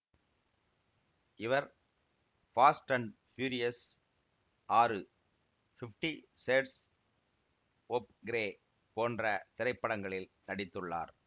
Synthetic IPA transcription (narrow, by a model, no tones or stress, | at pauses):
ɪʋɐɾ | faːsʈɐɳɖfjuːɾɪjɐs | ʔaːɾɯ | fɪfʈiseːʈs | ɔp̚ɡɪɾeː | poːndrɐt̪ɪɾɐɪpːɐɽɐŋɡɐɭɪlnɐɽɪt̪ːɯɭːa̰ːɾ